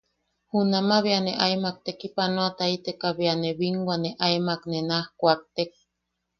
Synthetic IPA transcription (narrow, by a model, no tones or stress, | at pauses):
hunamaβianeʔaimak̚t̪ekipanoat̪ait̪ekaβianeβiŋɡʷaneʔaemaknenahkʷak̚t̪ek̚